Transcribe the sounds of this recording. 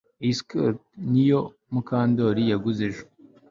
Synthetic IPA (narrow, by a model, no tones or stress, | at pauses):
iskoɾt̪̚nijo | mukʰaːnd̪oɾijaɡuzeʒu̥